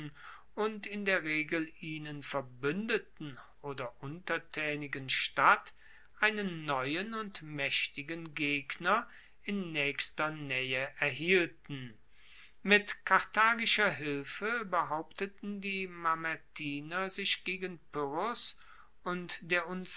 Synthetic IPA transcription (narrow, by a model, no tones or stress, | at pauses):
n | ʊntɪndeːɐʁeːɡl̩ʔiːnənfɛɐbʏndətn̩ʔoːdɐʔʊntɐtʰɛːnɪɡənʃtat | ʔaɪnənːɔʏənʊntmɛʃtɪɡənɡeːɡnɐ | ʔɪnːɛːçstɐnɛəʔɛɐɦiːltn̩ | mɪtkʰaʁtʰaːɡɪʃɐɦɪlfəbəɦaʊptətn̩diːmamɛtʰiːnɐzɪçɡ̥eːɡənpʏʁɔs | ʔʊntd̥eːɐʔʊn